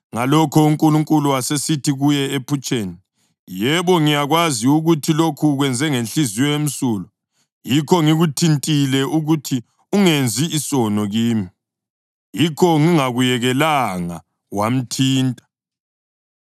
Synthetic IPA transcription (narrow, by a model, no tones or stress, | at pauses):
ŋalɔkʰɔuŋkʼuluŋkʼuluasesitʰiɣujɛepʰut͡ʃʼeːni | jɛβɔŋijaɣwaziuɣutʰilokʰuɣwɛnd͡zʱɛŋenɬiziwɔem̩suːlɔ | jikʰɔŋiɣutʰintʼilɛʔuɣutʰi | uŋend͡zʱiːsɔnɔɣiːmi | jikʰɔŋiŋaɣujɛɣɛlaŋa̰ | wam̩tʰiːntʼḁ